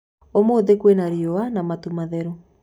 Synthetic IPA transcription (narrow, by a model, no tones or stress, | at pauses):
omoːðekwenaɾioanamatumaðɛɾo